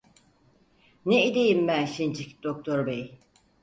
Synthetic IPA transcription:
neid̪ejimbænʃint͡ʃʰicd̪̥ok̚t̪ʰoɾbej

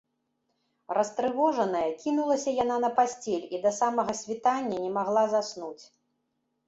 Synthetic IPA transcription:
rɐst̪ɾɨvɔʐɐn̪ɐjɐkʲinulˠɐsʲɐjananɐpasʲt͡sʲɛlʲid̪ɐsamɐɣɐsʲvʲit̪anʲːɐnʲɛmaɣlˠazasnut͡sʲ

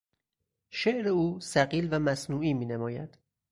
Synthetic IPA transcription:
ʃeʔɾeuːsæɢiːlvæmæsnuːiːmiːnemɒːjæd̪̥

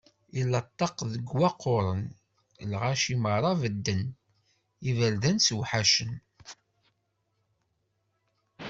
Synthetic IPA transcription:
ilːɑt̪ˤːɑqðəɡwæqːoɾˤən | lʁaʃiməɾˤɑvəd̪ːən | ivəlðænswħaʃən

